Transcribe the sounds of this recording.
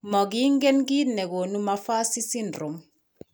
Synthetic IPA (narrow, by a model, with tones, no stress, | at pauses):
mɔ˨ɡi˦ŋ˦ɡe˦nɡi˦tnɛ˨ɡo˨nu˦ma˦fa˦si˦si˦ndɾo˨m